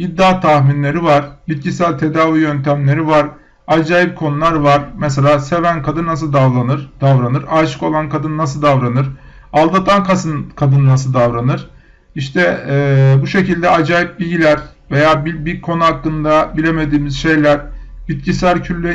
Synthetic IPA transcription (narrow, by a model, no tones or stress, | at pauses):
id̪ːaːt̪ʰaxminlʲe̞ɾivaɾ̥bit̪̚cisæɾʲt̪ʰe̞d̪aːvijønt̪ʰæmlʲe̞ɾivaɾ | ad͡ʒaːjip̚kʰo̞nulˠaɾvaɾmɛs̬elʲaːse̞vænkʰad̪ɯnːas̬ɯlˠd̪avlˠanɯɾd̪̥avɾanɯɾaɾʃɯ̥ko̞lˠankʰad̪ɯnːasɯlˠd̪avɾanɯɾ | alˠd̪at̪ʰankʰasɯnkʰad̪ɯnnas̬ɯlˠd̪avɾanɯɾ̥ | iʃt̪ʰɛ | buʃecilʲd̪ɛad͡ʒaːjip̚bilʲɟilʲæɾve̞jaːbibikʰo̞nuɦakːɯnd̪abilʲe̞me̞d̪iːmizʃe̞jlʲæɾ̥ | bit̪̚cʰisæɾcʰylʲːe